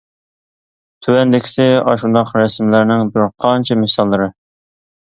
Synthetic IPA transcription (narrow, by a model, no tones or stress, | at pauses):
t̪ʰywɛnd̪ɪkʲʰɪ̥sɪɑʃund̪ɑqɾɛsmlæɾnɪŋbyɾɾqʰɑnt͡ʃʰɛmɪsɑlˠːɨɾɨ